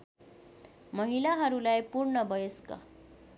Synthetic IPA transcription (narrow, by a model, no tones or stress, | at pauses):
mʌɦilaɦʌɾulajpuɾɳʌbʌjəskʌ̰